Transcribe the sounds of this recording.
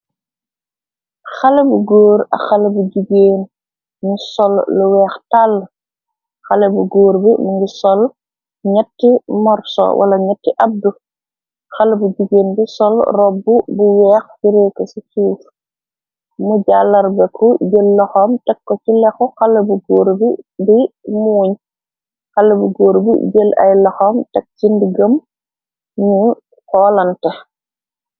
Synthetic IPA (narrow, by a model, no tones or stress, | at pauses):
xɐlebuɡoːɾɐ̰xɐlebuɟuɡeːn | musɔlluwɛːxtalː | xɐlebuɡoːɾbimuŋɡisɔl | ɲɐtːimɔɾso̰wʔɐ̰lɐɲɐtːiʔɐb̚du | xɐlebuɟuɡeːnbisɔlrɔbːubuwɛːxfiɾeːkɐsisuːf | muɟaːlːɐɾbɛkʰuɟelːɐxɔːmtɛkːɔcilɛxuxalɐbuɡoːɾbibimuːɲ | xɐlːɐbuɡoːɾbḭɟelʔɐ̰jlɐxoːmtɛk̚t͡ʃindiɡəm | ɲu | kɔːlɐntɛ